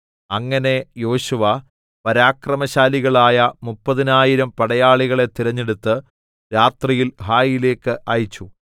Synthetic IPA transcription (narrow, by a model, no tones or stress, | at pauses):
ɐŋːɐne̞jo̞ːɕuʋɐ | pɐɾaːkrɐmɐɕaːliɣɐɭaːjɐmupːɐðinaːjiɾɐmpɐɽɐjaːɭiɣɐɭe̞t̪iɾɐɲːeɽut̪ːɨ | ɾaːt̪rijilɦaːjile̞ːkːɨʔɐjit͡ɕːu